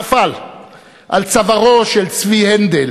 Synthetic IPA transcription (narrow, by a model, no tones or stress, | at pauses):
fal | ʔalt͡savaʁoʃelt͡svihend̪el